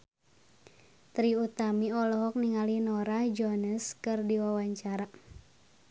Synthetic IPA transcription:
t̪ɾiut̪amiɔlɔɦɔk̚niŋalinɔɾahd͡ʒɔnəskɨrdiwawaɲt͡ʃaɾa

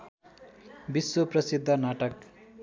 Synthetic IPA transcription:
biswoprʌsid̪ʱːʌnaʈʌk

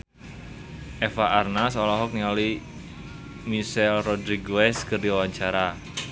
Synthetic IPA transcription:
ʔɛfaʔarnasɔlɔɦɔk̚niali | misɛlrɔdɾiɡoɛskərdiwawaɲt͡ʃaɾa

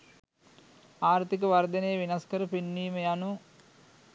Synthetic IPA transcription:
aːɾt̪ik̬əʋard̪ənəjəʋinaskəɾəpinːiːməjanu

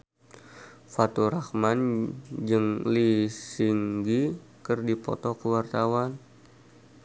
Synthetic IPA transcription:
fat̪uɾakmand͡ʒɨŋlisiŋɡikɨrdipɔ̰t̪ɔkəwart̪awan

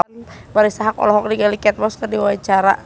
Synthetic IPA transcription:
nbaɾisaɦakɔ̰lɔɦɔk̚diɡalikɛt̪̚mɔskərdiwawat͡ʃaɾa̰

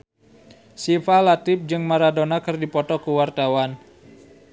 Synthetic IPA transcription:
sifalat̪ɪp̚d͡ʒɨŋmaɾadonakɨrdipɔt̪ɔkuwart̪awan

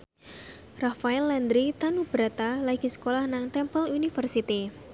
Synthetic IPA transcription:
rafaɛlːɛnd̪ɾit̪anub̥ɾat̪alaɡ̥i̤sə̥kolahnaŋt̪ɛmpəlunifərsit̪i

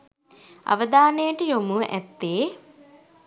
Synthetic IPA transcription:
a̰ʋəd̪aːnəjəʈəjomuʔæt̪ːeː

